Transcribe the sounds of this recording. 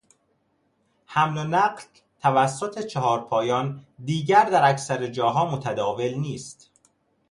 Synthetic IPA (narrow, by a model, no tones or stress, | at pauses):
hæmlonæɢl | t̪ʰævæsːot̪ʰe̞t͡ʃʰehɒːɾpʰɒːjɒːnd̪iːɟæɾd̪æɾæcsæɾed͡ʒɒːɦɒːmot̪ʰæd̪ɒːve̞lniːst̪